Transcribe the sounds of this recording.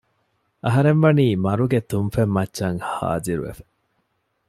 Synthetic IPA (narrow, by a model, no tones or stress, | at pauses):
ʔɐɦɐɾenʋɐniːmɐɾuɡet̪unfemːɐtːʃɐŋha̰ːd͡ʒiɾṵʋḛfɐ̥